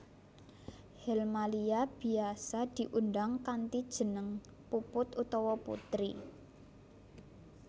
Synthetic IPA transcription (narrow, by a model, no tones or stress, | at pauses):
hɛlmaliab̥i̤asad̪̥i̤ʔundaŋkant̪id̥ʒ̥ə̤nəŋ | pupʊt̪ut̪ɔwɔpṵt̪ɾi